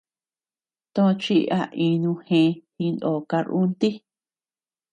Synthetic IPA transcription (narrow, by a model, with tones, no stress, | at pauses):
t̪õ˧t͡ʃi˦˧˦ʔa̰˧ʔĩ˧nũ˧hẽ˧hĩ˧no˨ka˧ɾu˦nt̪i˦